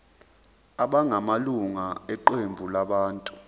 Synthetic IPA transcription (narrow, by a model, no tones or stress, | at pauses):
aɓaŋʱamaluŋaɛǃembʱulaɓaːntʼu